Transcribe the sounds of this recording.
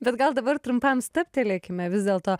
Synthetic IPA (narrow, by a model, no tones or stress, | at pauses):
bʲɛt̪ɡɐlˠd̪ɐbɐɾt̪ɾʊmpɐmst̪ɐpʲt̪ʲɛlʲeːkʲɪmʲɛʋʲɪzd̪ʲeːlˠt̪oː